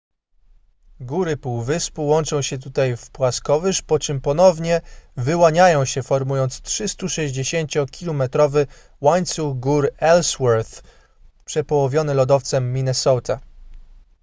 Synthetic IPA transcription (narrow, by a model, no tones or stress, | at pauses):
ɡuɾɘpuwvɘspuwɔnt͡ʂɔ̃w̃ɕɛt̪̬ut̪ajfpwaskɔvɘʂpɔt͡ʂɘmpɔnɔvɲɛvɘwaɲajɔ̃w̃ɕɛfɔɾmujɔnt̪stʂɘst̪uʂɛʑd͡ʑeɕeɲt͡ɕɔkʲilɔmɛt̪ɾɔvɘ | waɲt̪suɣɡuɾɛlswaɾθ | pʂɛpɔwɔvʲjɔnɛlɔd̪ɔft̪sɛmːʲinɛsɔt̪a